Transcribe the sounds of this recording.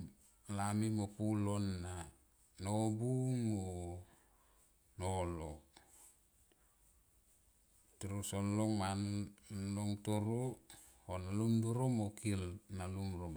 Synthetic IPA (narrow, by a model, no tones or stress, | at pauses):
lamimopulonːa | nobumo | nolo | tuɾosolːoŋmanloŋtoɾo | honalumduɾomokilnalumɾo